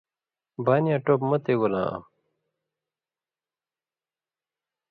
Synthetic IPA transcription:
banijãʈopmɐt̪eɡolã̰ːa̰

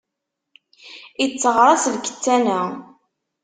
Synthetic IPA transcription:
it͡sːəʁɾˤɑsðkə̥t͡sːænæ

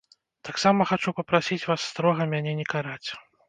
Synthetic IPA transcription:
t̪aksamɐxat͡ʂupɐpɾasʲit͡sʲvasːt̪ɾɔɣɐmʲanʲɛnʲɛkaɾat͡sʲ

